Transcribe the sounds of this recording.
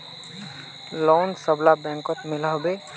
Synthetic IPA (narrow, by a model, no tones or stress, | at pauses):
loːnsəblabɛ̃ːŋkɔt̪mɪlaɦbe